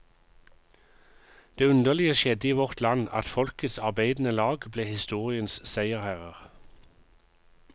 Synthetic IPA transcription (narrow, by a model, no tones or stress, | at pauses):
d̪̥eːʉnd̪əʁlɪəʃjɛd̪əiːʋɔʁt̪lɑnɑ̰t̪fɔlkət̪sɑʁbeɪd̪n̩əlɑːɡbleːhɪst̪uːʁɪənssæɪəʁhæːʁəʁ